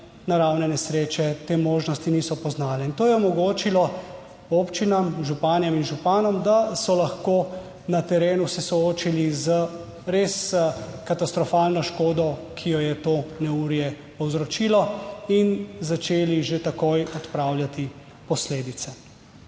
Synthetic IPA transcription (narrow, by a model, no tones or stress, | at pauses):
naɾawnɛnɛsɾeːt͡ʃɛt̪eːmoːʒnɔst̪inisɔpɔznaːlɛint̪oːjɛɔmɔɡoːt͡ʃilɔ | oːpt͡ʃinamʒupaːnjɛminʒupaːnɔmd̪asɔlɐxkoː | nat̪ɛɾeːnusɛsɔoːt͡ʃilizə | ɾeskat̪ast̪ɾɔfaːlnɔʃkoːd̪ɔkʰijɔjɛt̪oːnɛuɾjɛ | pɔwzɾɔt͡ʃiːlɔinzat͡ʃeːliʒet̪akojɔt̪pɾaːwljat̪i | pɔsleːd̪it̪sɛ